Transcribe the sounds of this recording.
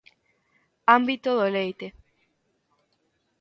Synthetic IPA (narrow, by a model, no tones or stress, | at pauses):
ambit̪oðolejt̪e